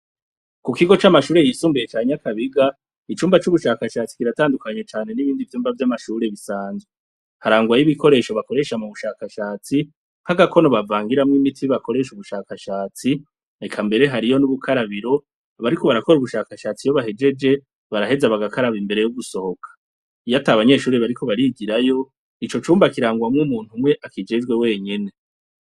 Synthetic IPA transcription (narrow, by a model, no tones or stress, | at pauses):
kukiɡo̞t͡ʃamaʃuːɾe̞jisuːmbijet͡ʃaːɲakaβiɡa | it͡ʃuːmbat͡ʃuβuʃaːkaʃaːt͡si̥kiɾataːndukaɲet͡ʃaːne̞niβiːndivjuːmbavjamaʃuːɾe̞βisaːnzwe | haɾaːŋɡwajiβiko̞ɾe̞ːʃo̞βako̞ɾe̞ʃamuβuʃaːkaʃaːt͡si | haɡakʰo̞no̞βavaːŋɡiɾamŋimitʰiβakʰo̞ɾe̞ʃuβuʃaːkaʃaːt͡si | ekʰambe̞ɾe̞ɦaɾijo̞nuβukʰaɾaβiɾo̞ | βaɾiko̞βaɾako̞ɾuβuʃaːkaʃaːt͡sijo̞βaɦe̞d͡ʒe̞d͡ʒe̞ | βaɾaɦe̞zaβaɡakaɾaβimbe̞ɾe̞juɡuso̞ho̞kʰḁ | ijataːβaɲe̞ːʃuːɾeβaɾikʰo̞βaɾiɡiɾajo̞ | it͡ʃo̞t͡ʃuːmbakiɾaːŋɡwamŋumuːn̥humŋe̞ʔakid͡ʒed͡ʒɡwe̞we̞ːɲe̞ne̞